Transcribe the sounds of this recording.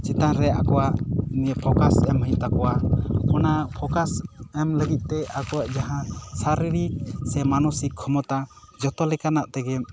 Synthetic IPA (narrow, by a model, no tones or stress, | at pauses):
t͡ʃɛt̪anɾɛa̰kɔwaʔiniɛpʰɔkasɛmɦəjt̪̚ˀt̪akɔwakɔnapʰɔkasɛmləɡit̪̚ˀt̪ɛakɔwaʔd͡ʒaɦãsaɾiɾik̚sɛmanɔsikʰːɔmɔt̪a | d͡ʒɔt̪ɔlɛkanaʔt̪ɛɡɛm